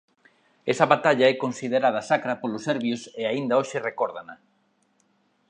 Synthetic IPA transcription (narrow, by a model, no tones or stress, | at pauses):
ɛsɐβat̪aʎaɛkonsiðeɾað̞ɐsakɾapolʊseɾβjoseaind̪ɐoʃɪrekoɾðana